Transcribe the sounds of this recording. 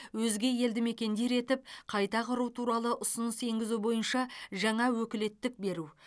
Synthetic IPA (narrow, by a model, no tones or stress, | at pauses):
wɵzɡʲe̞je̞ld̪ɪme̞kʲe̞nd̪e̞ɾe̞t̪ɪp̚qʰɑjt̪ɑqʰəɾuwt̪ʰuɾɑlˠəʔʊsʊnəse̞ŋɡʲɪzubo̞jənʃɑʒɑɴɑwɵkʲɪle̞t̪ːɪk̚be̞ɾu